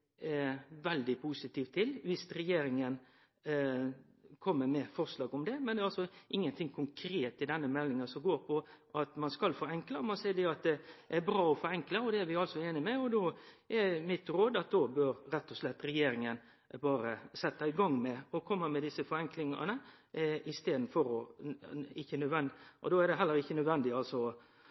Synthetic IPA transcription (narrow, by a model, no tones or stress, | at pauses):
ʋɛld̪ɪpʰusɪt̪iːft̪ʰːɪlʋɪst̪ɾɛjeːɾɪŋən | kʰɔmːəɾmɛfɔɾslɑːɡʊmd̪ɛmɛnɛːɑlsɔʔɪŋːənt̪ʰɪŋkʰʊŋkʰɾeːt̪ɪd̪ɛnːəmɛlːɪŋənsɔmɡoːɾpʰɔʔɑt̪mɑnskɑlfɔːɾɛŋkləɔmɑnsɛːd̪ɛɑt̪̚d̪ɛʔæɾbɾɑːɔfɔɾɛŋkləɔd̪ɛæɾʋɪɑlsɔeːnɪmɛɔd̪oːʔæɾmɪt̪ɾoːd̪ɑt̪̚d̪oːbøɾɾɛt̪ːɔslɛt̪ːɾɛjeːɾɪŋən | bɑːɾəsɛt̪ːɑɪɡɑŋmɛɔkʰɔmːəmɛd̪ɪsəfɔɾɛŋklɪŋɑ̰nəɪst̪eːd̪n̩fɔɾɔ | ɪçːənœd̪ʋɛnd̪ɪʔɔ̰d̪oːæɾd̪ɛɦɛlːəɾɪçːənœd̪ʋɛnd̪ɪɑlsɔ